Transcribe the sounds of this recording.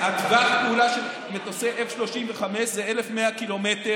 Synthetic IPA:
aɡvaχpeulaʃel | met̪oseʔefʃlo̞ʃimveχameʃzeelefmeakilo̞mete

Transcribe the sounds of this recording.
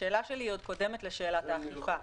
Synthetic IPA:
e̞ːlaʃelio̞d̥̪̚ko̞de̞met̪leʃe̞ːlat̪aːχluχa

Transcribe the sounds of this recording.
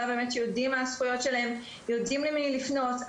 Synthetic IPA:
abe̞ːmetjoudimasχujo̞tʃelae̞m | jodimlimilifno̞t

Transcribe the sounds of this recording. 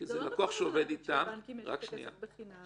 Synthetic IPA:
kizelakuaχʃeove̞d̪it̪amʁa̰kʃnḭja̰

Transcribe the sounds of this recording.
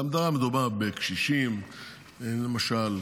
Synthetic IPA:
amd̪aʁamed̪ubaʁbekʃiʃim | elemaʃal

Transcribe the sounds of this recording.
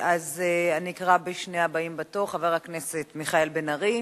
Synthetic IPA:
ʔazeanikaʁabeʃneabaimbatoχaveʁhakne̞setmiχaelbenaʁi

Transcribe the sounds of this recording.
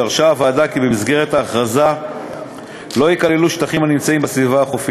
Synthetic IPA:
aʁʃaːvaːdakibemizɡe̞ʁet̪haːχʁaza | lo̞jikale̞luʃt̪aχimhanimt͡saimbasvivaːχofi

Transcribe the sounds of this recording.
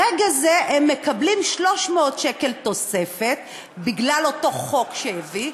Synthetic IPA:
ʁeɡazeʔemːekablimʃlo̞ʃmeot̪ʃeke̞lto̞se̞fe̞t̚ | biɡlalo̞to̞χo̞kʃejevi

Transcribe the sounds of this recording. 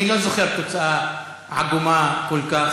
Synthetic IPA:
ilozoχeɾt̪ot͡saʔa | ʕa̰ɡumakolka

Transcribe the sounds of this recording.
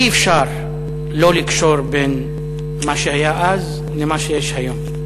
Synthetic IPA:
ʔifʃaɾ | lolikʃoɾben | maʃehajaʔaz | lemaʃejeʃhajom

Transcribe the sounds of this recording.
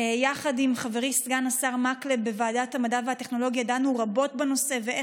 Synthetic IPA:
jaχadimχaveʁisɡanasaʁmaklebe̞vaːdathamadavehateχno̞lo̞ɡjadanuʁabo̞tbeno̞se̞veʔ

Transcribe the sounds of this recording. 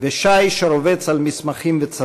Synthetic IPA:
veʃajʃeɾovet͡salmismaχimvet͡sa

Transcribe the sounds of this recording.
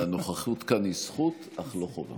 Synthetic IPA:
anoχaχut̪kanisχut̪ʔaχloχova̰

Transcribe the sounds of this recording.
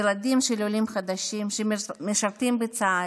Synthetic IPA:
elad̪imʃelolimχad̪aʃimʃemeʃaʁt̪imbet͡saa

